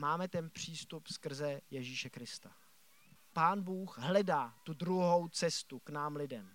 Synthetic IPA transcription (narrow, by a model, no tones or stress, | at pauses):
maːmɛt̪ɛnpr̝̥iːst̪upskr̩zɛjɛʒiːʃɛkɾɪst̪a | paːnbuːxɦlɛdaːt̪udɾuɦo̞wt͡sɛst̪uknaːmlɪdɛm